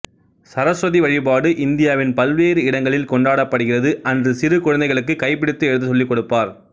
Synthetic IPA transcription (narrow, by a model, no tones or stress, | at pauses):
sɐɾɐsɾɐðiʋɐɻɪbaːɽɯʔɪnd̪ɪjaːʋɪnpɐlʋeːɾɯɪɽɐŋɡɐɭɪlkɔɳɖaːɽɐpːɐɽɯɣɪrɐðɯʔɐndrɯsɪɾɯkʊɻɐnd̪ɐɪɣɐɭɯk̬ːɯkɐɪpːɪɽɪt̪ːɯɛɻɯðɯsɔlːɪkːɔɽɯpːaːɾ